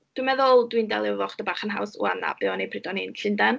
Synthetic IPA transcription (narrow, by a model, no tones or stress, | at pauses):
d̥wimɛðʊlˠdwindɛ̰lˠɪvɔχd̥əbaːχənɦa̰wsṵa̰na̰bɪɔnejpʰrɪdɔninɬɪndan